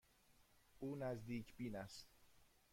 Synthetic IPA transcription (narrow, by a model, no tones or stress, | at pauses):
ʔuːnæzd̪iːcʰbiːnæst̪